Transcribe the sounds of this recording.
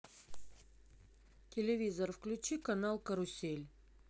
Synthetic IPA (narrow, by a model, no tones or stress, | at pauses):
tʲʰelʲevʲizorfklʲʉt͡ɕikanalˠkəɾʊsʲelʲ